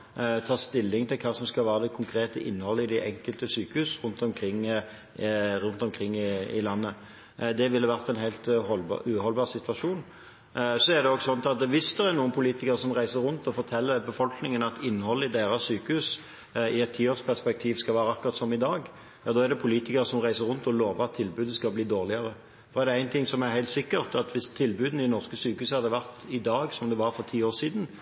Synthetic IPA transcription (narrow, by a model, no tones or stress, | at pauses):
t̪ʰɑːʁst̪ɪlːɪŋt̪ʰɪlkʰɑːsɔmskɑlʋæːɾəd̪ɛkʰʊŋkʰɾeːt̪əʔɪ̰nːhɔlːəɪd̪ɛʔɛŋkəlt̪əsyːkəhʉːsɾʉnt̪ɔmkʰɾɪŋː | ɾʉnt̪ɔmkʰɾɪŋːɪɪ̰lɑnːə | d̪ɛʋɪlːəʋæɾt̪ɛnɦæɪlt̪ɔlb̰ʉːhɔlbɑːʁsɪt̪ʋɑʂuːn | sɔæʁd̪ɛɔɡsɔnt̪ɑt̪ʋɪsd̪ɛʁæɾnuːənpʰʊliːt̪ɪkəɾəsɔmʁæɪsəɾɾʉnt̪ɔfɔɾt̪ʰɛlːəbəfɔlknɪŋənɑt̪ɪnːhɔlːəɪd̪eːɾɑsyːkəhʉːs | ɪɛt̪ʰːiːoːspʰæʁspɛk̚t̪ʰiːʋskɑlʋæːɾəɑkːʊɾʁɑt̪sɔmɪd̪ɑːɡ | jɑːd̪ɔːæɾd̪ɛpʰʊliːt̪ɪkəɾəsɔmʁæɪsəɾʁʊnt̪ɔloːʋəɾɑt̪ʰːɪlbʉːd̪əskɑbliːd̪oːʁlɪəɾə | fɔɾɛʁd̪ɛæɪnt̪ʰɪŋsɔmæɾhæɪlt̪sɪkːəʁt̪ɑt̪ʋɪst̪ʰːɪlbʉːd̪n̩ɪnɔʁskəsyːkəʉːshɑʁd̪əʋæʁt̪ɪd̪ɑːɡsɔmd̪ɛʋɑɾfɔʁt̪ʰiːoːɾsiːd̪n̩